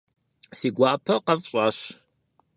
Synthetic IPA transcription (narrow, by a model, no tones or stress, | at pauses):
siːɡʷaːpʰɐqɐvɕʼaːɕ